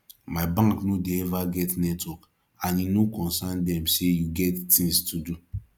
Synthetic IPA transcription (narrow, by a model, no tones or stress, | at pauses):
maɪbãŋknodeɛvaɡɛtnɛtwɔk | ãninokɔ̃nsandɛ̃msejuɡɛttĩŋstʰudu